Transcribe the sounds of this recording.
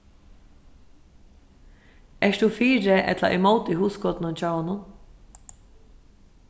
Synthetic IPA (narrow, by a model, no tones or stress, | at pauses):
ɛʂt̪ufiːɾɪʔɛ̰t̪la̰ʔɛmoːwt̪iɦuːskɔːt̪ɪnʊnt͡ɕaːwanʊn